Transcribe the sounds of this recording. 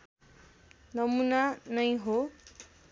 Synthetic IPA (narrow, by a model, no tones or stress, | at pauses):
nʌmunanʌjɦo